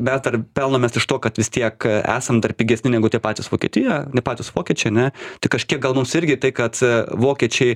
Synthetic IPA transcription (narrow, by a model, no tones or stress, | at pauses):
mʲɛsd̪ɐrpʲɛlˠnomʲeːsɪʃt̪oːkɐt̪ʋʲɪst̪ʲiɛkæ̰ːsɐmd̪ɐrpʲiːɡʲɛsʲnʲɪnʲæɡʊt̪ʲiɛpɑːt̪ʲɪsʋoːkʲiɛt̪ʲɪjɛnʲɛpɑːt̪ʲʊsʋoːkʲiɛt͡ʃʲɛɪɐnʲɛt̪ɪkɐʃʲkʲiɛk̚ɡɐlˠmʊmsɪɾʲɡʲɪt̪ɐɪkɐt̪ʋoːkʲiɛt͡ʃʲɛɪ